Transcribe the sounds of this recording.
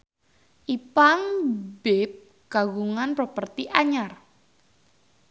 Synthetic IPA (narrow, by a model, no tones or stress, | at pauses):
ʔipaŋbep̚ | ɡ̥aɡuŋanpropərt̪iʔaɲar